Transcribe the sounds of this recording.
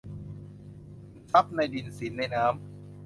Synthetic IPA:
tʰa˦˥p̚na˧jdi˨˩nsi˩˦nːa˧jnaː˦˥m

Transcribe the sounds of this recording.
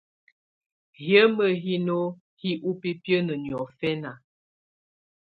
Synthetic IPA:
hjə˦mə˨ɦi˦no˦ | hi˦ʔu˦pi˦pjə˦nə˨njɔ˨fɛ˦na˨

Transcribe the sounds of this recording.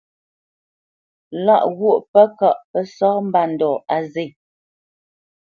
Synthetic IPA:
la˦˨ʔɣwo˦˨ʔpə˦ka˨ʔpə˦sɔ˦m̩˦ba˨n̩˨dɔ˨a˨ze˦˨

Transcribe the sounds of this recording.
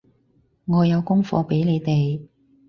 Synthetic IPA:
ŋɔː˨˧jɐ˨˧wkʊ˥ŋfɔ̰ː˧pe˨˥jle˨˧jt̪e˨j

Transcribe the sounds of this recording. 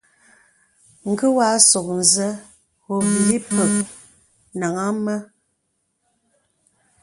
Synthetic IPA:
ŋ̩˨ɡə˦wa˨˦so˨k̚n̩˨zə˦ | ɣo˨bi˨li˦pə˨k̚ | na˨ŋa˦mə˦

